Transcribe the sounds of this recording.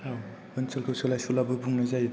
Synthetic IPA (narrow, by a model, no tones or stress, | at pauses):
aw | ɯnsɯlkʰɯwsɯlajsulabɯbuŋnazaj